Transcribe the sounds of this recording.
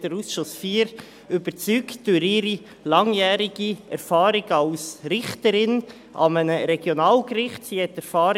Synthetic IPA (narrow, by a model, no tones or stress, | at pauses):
d̥əɾusʃʊsfiːɾ | ʏb̥ət͡syːktd̥øɾɪːɾi | lɑŋjæːɾɪɡiɛ̰ɾfɑːɾɪɡ̥əɑʊsɾɪχtəɾɪn | ʔɑ̰mənəɾɛɡjonɑːlkɾɪχtsiːhɛtːɛɾfɑːɾ